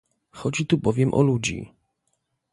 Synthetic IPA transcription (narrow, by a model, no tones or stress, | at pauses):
xɔd͡ʑit̪ubɔvʲjɛmʔɔ̰lud͡ʑḭ